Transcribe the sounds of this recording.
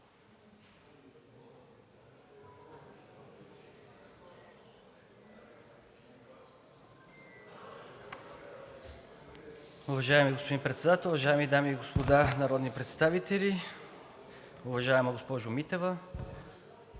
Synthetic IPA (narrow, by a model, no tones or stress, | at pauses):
ʊvɐʒaɛmiɡospod̪inpɾɛt̪sɛd̪at̪ɛlˠʊvɐʒaɛmid̪amiːɡospod̪anɐɾɔd̪nipɾɛt̪st̪avit̪ɛlʲi | ʊvɐʒaɛməɡospɔʒʊmit̪ɛvə